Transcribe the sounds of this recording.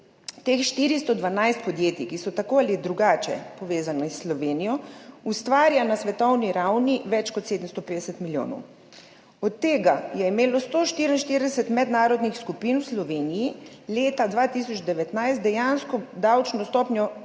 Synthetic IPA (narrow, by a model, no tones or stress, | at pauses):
t̪eːxʃt̪iːɾist̪ɔd̪ʋanajst̪̚pɔd̪jeːt̪ikisɔt̪akoalid̪ɾuɡaːt͡ʃɛ̰pɔʋeːzanɛsːlɔʋeːnijɔust̪ʋaːɾjanasʋɛt̪ɔwniɾawniʋɛt͡ʃkɔt̪seːd̪əmst̪ɔpeːd̪ɛsɛt̪miljo̰ːnɔ̰w | ɔt̪ːeːɡajɛimeːlɔst̪oːʃt̪iɾinʃt̪iɾd̪ɛsɛt̪mɛd̪naːɾɔd̪nixskupinwslɔʋeːnijileːt̪ad̪ʋaːt̪isɔt͡ʃd̪ɛʋɛt̪najst̪̚d̪ɛjanskɔd̪awt͡ʃnɔst̪ɔpnʲjɔ